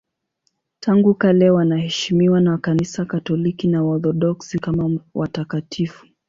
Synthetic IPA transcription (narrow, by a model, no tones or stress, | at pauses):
tʰaŋɡukalɛwanahɛʃimiwanakanisakatɔlikinaɔθɔɗɔksikamawʔatakatʰifu̥